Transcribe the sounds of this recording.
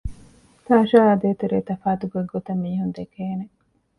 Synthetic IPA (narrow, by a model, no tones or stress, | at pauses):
t̪aːʃaːɐd̪eːt̪uɾeːt̪ɐfaːt̪uɡoɡot̪ɐmːiːɦund̪ekeːne